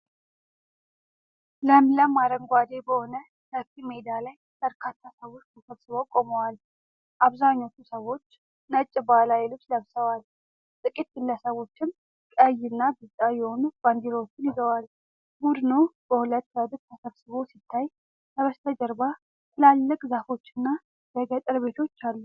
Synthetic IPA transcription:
ləmləmaɾəŋɡʷad̪e̞bəho̞nə | nəkːimed̪alaj | b̥əɾkʰat̪ʰːasəβo̞t͡ʃːt̪ʰəsəβsɨβokʼoməwal | ʔaβzaɲːot͡ʃːusəwo̞t͡ʃː | nət͡ʃʼːɪbalajɛlɨbsləβsəwal | t̪ʼɨkʼit̪̚ɡɨlːəsəβo̞t͡ʃːɪn | kʼəjɨnːabɨzt̪ʼajɛho̞nub̥and̪ilwot͡ʃːɪnjɪzəwal | mud̪ɨnub̥əhulət̪ːjad̪ɨt̚t̪ʰəsəβsɨβo̞sit̪ʰːaj | t̪ʰəβəst̪ʰəd͡ʒəɾba | t̪ʰɨlalːəkʼzafo̞t͡ʃːɪnːa | bəɡət̪ʼɾβe̞t̪ʰo̞t͡ʃːalːu

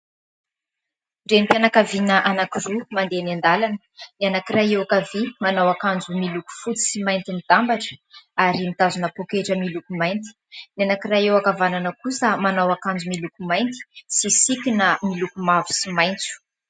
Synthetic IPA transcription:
ɖ͡ʐempianakavinəʔanakirumand̪enand̪alanə̥nianakiraewakavimanawakand͡zumiluku̥fut͡si̥simajnt̪imid̪̥ambaʈ͡ʂə̥aɾimit̪azunəpokeʈ͡ʂəmilukumajnt̪i̥nianakiraewakavananəkusəmanawakand͡zumilukumajnt̪i̥sisikʲinəmilukumavu̥simajnt͡su̥

